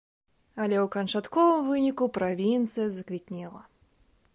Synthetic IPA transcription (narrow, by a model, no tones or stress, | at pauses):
ɐlʲɛwkɐnt͡ʂat̪kɔvɨmvɨnʲikupɾavʲint̪sɨjɐzɐkvʲit̪ʲnʲilˠɐ